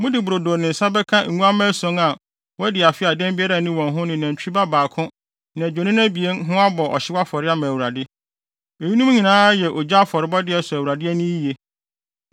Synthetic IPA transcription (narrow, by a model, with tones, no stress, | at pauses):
mʊ̃˦dɪ˨bu˨ɾo˨doː˨nɪ̃˨n̩˨sa˦bɛ˦kʰã˦˨ŋũ˦a˦mæ̃˦sɔ̃˨˦ŋa˨ | wɔ˦dɪ˨a˨fɪ˦a˨dɛ̃˦mbɪ˦a˦ɾa˨nɪ̃˦wɔ̃˨nɦʊ̃˦nɪ̃˨nã˨ɲ˨t͡ɕᶣi˦i˦ba˦baː˨kʰʊ̃˦ | nã˨d͡ʑᶣo˨nɪ̃˦nã˦bi˨e˦n˦ɦʊ̃˦a˦bɔ˨ʔɔ̰˨ɕɪ˦wa˦fɔ˨ɾɪ˦a˦mæ̃˨wu˨ɾa˨dɪ˦ | e˨ji˦nũ˦m˦ɲĩ˨nãː˦jɛ˨ʔɔ˨d͡ʑa˦a˦fɔ˨ɾɪ˨bɔ˦dɪ˦ɛ˨sɔ˨æ˨u˨ɾa˨dɪ˦ɛ˦nĩ˦i˦je˦